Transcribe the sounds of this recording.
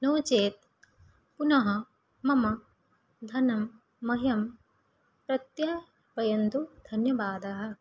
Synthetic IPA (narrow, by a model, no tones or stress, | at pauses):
nɐwt͡ʃeːt̪̚ | punɐɦɐ | mɐmɐ | d̪ʱɐnɐmː | ɐɦjɐm | pɾɐt̪jɐ | ʋɐjɐnt̪ud̪ʱɐnjɐʋaːd̪ɐɦɐ̆